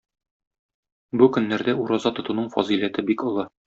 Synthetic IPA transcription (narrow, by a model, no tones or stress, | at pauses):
bukɵ̆nːæɾd̪æuɾɑzɑt̪ŏt̪unɤɴfɒ̰zilæt̪ɘbikŏlˠɤ